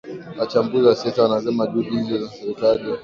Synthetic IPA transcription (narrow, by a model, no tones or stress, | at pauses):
ʔat͡ʃambuzasetanazɐmadudizozansaitaːde